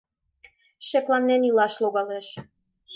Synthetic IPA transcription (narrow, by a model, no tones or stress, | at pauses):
ʃeklɑnːenilɑʃloɣɑleʃ